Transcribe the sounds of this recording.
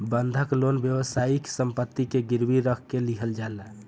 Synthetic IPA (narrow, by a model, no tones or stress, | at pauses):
bənd̪ʱəklonbjəwəsaiksəmpət̪ːikeɡiɾbiɾəkʰkeliɦəld͡ʒala